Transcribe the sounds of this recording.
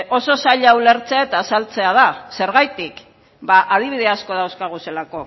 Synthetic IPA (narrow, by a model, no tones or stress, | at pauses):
o̞so̞saʎaule̞ɾt͡se̞aet̪aːsalt͡se̞að̞ase̞ɾɣajt̪ik | baʔað̞iβ̞iðeasko̞ð̞awskaɣ̞uselako̞